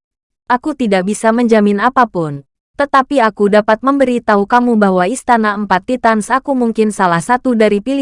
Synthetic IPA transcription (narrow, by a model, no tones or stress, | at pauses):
ʔakut̪idak̚bisaməɲd͡ʒamɪnapapʊn | t̪ət̪apiakudapat̪̚məmbəɾit̪aukamubaɦwaist̪anaəmpat̪ːit̪ansakumuŋkɪnsalahsat̪udaɾipili